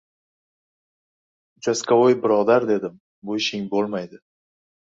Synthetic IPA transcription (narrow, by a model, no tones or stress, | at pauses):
ʊt͡ʃʰaskʲʰaojbɪɾɒd̪aɾd̪e̞d̪ɪm | bojʃɪŋbolˠmajd̪ɪ